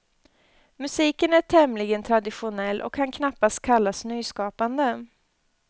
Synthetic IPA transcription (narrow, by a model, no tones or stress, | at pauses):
mɵsiːkənæʈʰɛmlɪɡənt̪ʰɾad̪ɪɧʊnɛlːʔɔ̰kʰhankʰnapːast̪̚kʰalːasnyːskɑːpand̪ə